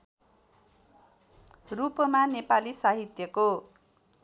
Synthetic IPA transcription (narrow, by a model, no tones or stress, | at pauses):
rupʌmanepalisaɦit̪jʌko